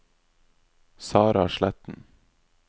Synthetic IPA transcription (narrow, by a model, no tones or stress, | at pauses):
sɑːɾɑɑʃlæt̪n̩